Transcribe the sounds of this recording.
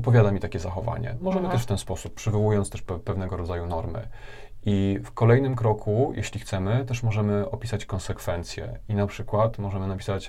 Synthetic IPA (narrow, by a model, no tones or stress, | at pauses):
ɔpɔvʲjad̪amʲit̪akʲɛzaxɔva̰ɲɛ̰mɔʐɛmɘt̪ɛʂft̪ɛnspɔsupːpʂɘvɔwujɔnt̪st̪ɛʂppɛvnɛɡɔɾɔd̪zajunɔɾmɘ̰ | ifkɔlɛjnɘmkɾɔkʰujʔḛɕlʲixt̪sɛmɘt̪ɛʂmɔʐɛmɘɔpʲisat͡ɕkɔnsɛkfɛnt̪sʲjɛ̰inapʂɘkwat̪mɔʐɛmɘnapʲi̥sat͡ɕ